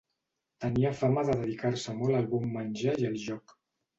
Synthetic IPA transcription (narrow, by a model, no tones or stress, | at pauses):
t̪əniəfaməðəðəðikaɾsəmɔləlˠβumːənʲʒajəlˠʒɔk